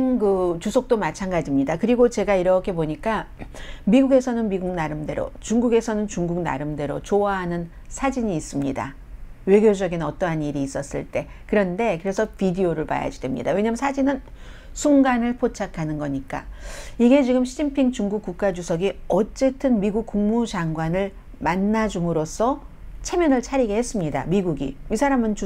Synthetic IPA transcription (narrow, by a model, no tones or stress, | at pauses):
ŋkɯt͡ɕusʰʌk̚t͈omat͡ɕʰanɡad͡ʑimɲidakɯɾiɡot͡ɕe̞ɡaiɾʌkʰe̞boɲik͈a | miɡuɡe̞sʰʌnɯnmiɡuɡ̚naɾɯmde̞ɾo̰t͡ɕuŋɡuɡe̞sʰʌnɯnt͡ɕuŋɡuk̚na̰ɾɯmde̞ɾo̰t͡ɕoaɦanɯn | sʰad͡ʑiɲiːs͈ɯmɲida̰ | we̞ɡjod͡ʑʌɡinʌt͈ʌɦaniɾiːs͈ʌs͈ɯ̰ɭt͈e̞ | kɯɾʌnde̞kɯɾe̞sʰʌpidioɾɯɭpa̰ja̰d͡ʑidwe̞mɲḭda̰we̞ɲamsʰad͡ʑinɯn | sʰuŋɡanɯɭpʰot͡ɕʰakʰanɯnɡʌɲik͈a̰iɡe̞t͡ɕiɡɯmɕʰid͡ʑimpʰiŋt͡ɕuŋɡuk͈̚uk̚k͈ad͡ʑusʰʌɡiʌt͡ɕ͈e̞tʰɯnmiɡuk̚k͈uŋmud͡ʑaŋɡwanɯɭ | manːad͡ʑumɯɾos͈ʰʌ | t͡ɕʰe̞mjʌnɯɭt͡ɕʰaɾiɡeɦes͈ɯmɲida̰miɡuɡḭmisʰaɾamɯnt͡ɕu